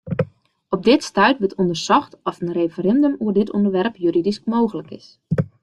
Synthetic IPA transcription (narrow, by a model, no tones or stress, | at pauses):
ɔp̚dɪtstœɥtʋətʰɔndərsɔxtɔfənrejfəɾɛndəmuədɪtʰɔndərʋɛrpjyɾidiskmoːɣələkɪ̰s